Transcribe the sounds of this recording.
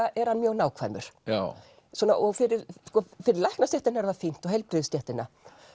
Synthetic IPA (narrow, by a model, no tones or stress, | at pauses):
aʔɛɾ̥hanmjœwnaːwkʰvajmʏɾ̥ | sɔːnaʔɔɣfɪɾɪɾskɔːfɪɾɪɾlajhknast̪jɛht̪ɪnːaɛɾðafin̥t̪ɔɦɛjlpɾɪðʏst̪jɛht̪ɪnːa̰